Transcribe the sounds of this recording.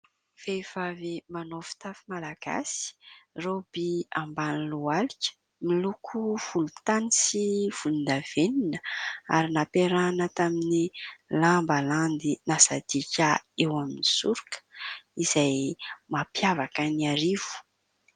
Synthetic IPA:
fev̥avimanofi̥t̪afimalaɡ̥a̰si̥rob̥iambanilualit͡ʃə̥ | milukʰuv̥ulut̪anisiv̥ulund̪av̥eninəa̰ɾinapeɾanət̪aminilambaland̪inasad̪ikʲaewaminisuɾukə̥iz̥ajmapjavakəniaɾiv̥u̥

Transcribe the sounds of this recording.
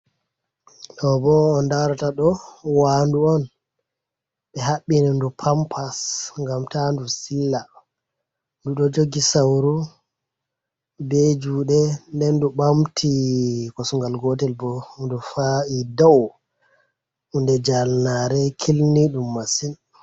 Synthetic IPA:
ɗɔbɔːndawɾataɗɔwaːnduɔn | ɓɛɦaɓːinɛndupʰampʰasŋɡamtandusilːa | nduɗɔd͡ʒoɡisawɾu | bed͡ʒuːɗɛndɛnduɓamtʰikɔsuŋɡalɡɔtɛlbɔndufaidɔw | undɛd͡ʒalnaɾɛkʰilniɗumːasin

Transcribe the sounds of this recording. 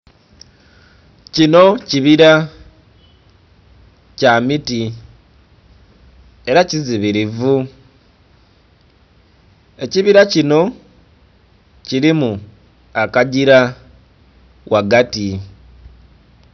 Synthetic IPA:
cino̞ciβiɾa | camiti | e̞ɾaciziβiɾivu | e̞ciβiɾacino̞ | ciɾimu | akaɟiɾa | wʔaɡati

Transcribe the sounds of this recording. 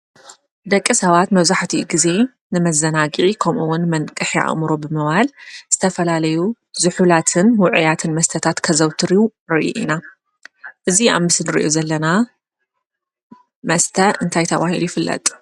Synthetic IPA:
d̪ɐkʼːisɐβat̪mɐβzaħt̪ʰiɡize̞ | nɨmɐzɐnaɡikʰɐmʔɨwːʊnmɐnkʼɨħia̰ɣmɾo̞bɨmɨβalz̥ɨt̪ʰɐfɐlalɐju | zɨħulat̪ʰɨnwʊʕʊjat̪ʰɨnmɐst̪ʰɐt̪ʰat̪kʰɐzɐwt̪ʰɨɾijuɾɨʔṵʔḭna | ʔɨziʔa̰mɨsnɨɾḭʔo̰zɐlːɐna | mɐst̪ʰɐʔɨnt̪ʰajt̪ʰɐβa̰hilujɪfɨlːɐ̰t̪ʼ

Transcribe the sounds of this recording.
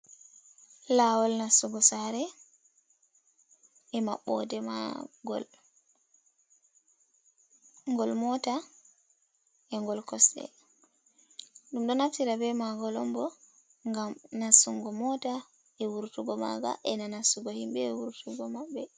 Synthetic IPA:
lawɔlnasuɡɔsaɾɛ | ɛmaɓɔ̰dɛma̰ɡɔ̰l | ŋɡɔlmɔta | ɛŋɡɔlkɔsɗɛ̰ | ɗumɗɔnaftiɾabɛmaɡɔlɔmbɔ | ŋɡamnasuŋɡɔmɔta | ɛwuɾtuɡɔma̰ɡa̰ʔɛnanasuɡɔhimbɛːwuɾtʰuɡɔmabːɛ

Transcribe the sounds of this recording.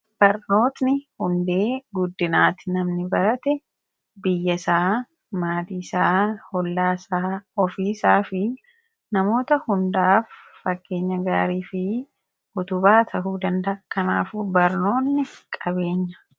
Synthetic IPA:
b̥ɐɾno̞ːt̪nɪhʊnd̪e̞ːɡʊd̪ːɪnaːt̪ɪ̥nɐmnɪbɐɾɐt̪ɛ | bɪjːɐsaː | maːd̪iːsaːhɔlːaːsaːɔfiːsaːfɪ | nɐmo̞ːt̪ɐhʊnd̪aːfːɐɡːe̞ːɲːɐɡaːɾiːfɪ | ʔʊt̪ʊbaːt̪ʰɐɦuːd̪ɐnd̪ɐʔɐkɐnaːfuːbɐɾno̞ːnːɪkʼɐbe̞ːɲːɐ̥

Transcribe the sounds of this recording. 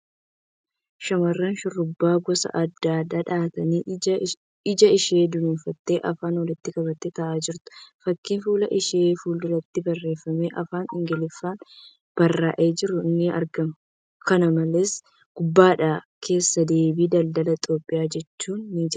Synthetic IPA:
ʃɐmɐrːɐnʃʊrːʊbːaːɡɔsɐ̰ʔɐd̪ːaːd̪aːᶑaːt̪ɐniː | ɪd͡ʒɐɪʃe̞ːd̪ʊnuːnfɐt̪ːe̞ːʔɐfaːnwɔlɪt̪ːɪkʼɐbɐt̪ːet̪ɐʔaːd͡ʒɪɾt̪ʊ̥fɐkːiːnfuːlɐʔɪʃeːfuːld̪ʊlɐt̪ːɪbɐrːe̞ːfːɐmeːʔɐfaːnɪŋɡɛlɪfːaːn | b̥ɐrːaːʔeːd͡ʒɪɾːʊɪnːɪɐ̰ɾɡɐmʊ | kɐnɐmɐleːs | ɡ̥ʊbːaːᶑaː | kʰe̞ːsːɐd̪e̞ːbiːd̪ɐld̪ɐlɐt̪ʼo̞ːpʼːɪjaːd͡ʒɛt͡ʃːuːnːiːd͡ʒɪɾ

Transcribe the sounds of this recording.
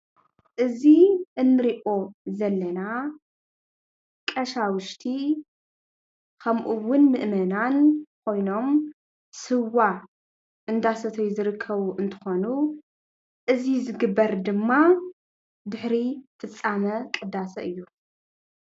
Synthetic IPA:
ʔɨziʔɨnːɨɾiʔʼo̞zɐlːɐna | kʼɐʃawɨʃt̪ʰi | kʰɐmʔuwʊnmɨʔmɐnankʰo̞jno̞m | sɨwːa | ʔɨnd̪asɐt̪ʰɐjːuzɨɾɨkʰːɐβuʔɨnt̪ʰɨ̥xo̞nu | ʔɨzizɨɡɨbːɐɾd̪ɨmːa | d̪ɨħɾit̪ʰʼɨt͡sʼːamɐkʼɨd̪asɐʔɨjːu

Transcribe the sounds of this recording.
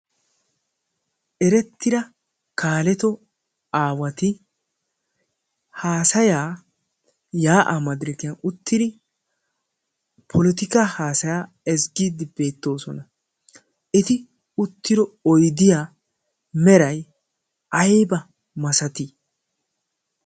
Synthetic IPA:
ʔɛɾɛt̪ːɪɾɐ | kaːlɛt̪ɔ | aːwɐt̪ɪ | haːsɐjaː | jaːʔɐmɐd̪ɾɪkɪjɐnʊt̪ːɪd̪ɪ | pʰɔlɪt̪ɪkahaːsɐjaː | ɛzɡiːd̪ɪbe̞ːt̪ːo̞ːsɔnɐ | ʔɪt̪ɪ | ʊt̪ːɪɾɔɔjd̪ɪjaː | mɛɾɐj | ʔɐjbɐ | mɐsɐt̪ɪ

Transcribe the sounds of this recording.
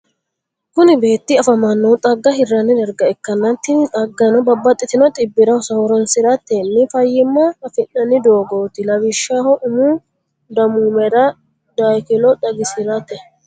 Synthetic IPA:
kʊnɪbe̞ːt̪ːɪɐfɐmɐnːɔt̪ʼɐɡːɐhɪrːɐnːɪd̪ɐɾɡɐɛkːɐnːɐt̪ːɪnt̪ʼɐɡːɐnɔbɐbːɐt̪ʼːɪt̪ɪnɔt̪ʼɪbːɪɾɐsɐhɔɾɔnsɪɾɐt̪ːɛnːɪfɐjːɪmːɐːfɪnːɐnːɪd̪oːɡoːt̪ɪlɐwɪʃːahɔʔʊmu | d̪ɐmuːmɛɾɐ | d̪ajkɪlɔᶑ̪ɐɡɪsɪɾɐt̪ɛ

